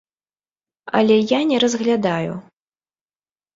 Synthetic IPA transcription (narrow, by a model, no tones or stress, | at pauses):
ɐ̰lʲɛjanʲɛɾɐzɣlʲad̪ajṵ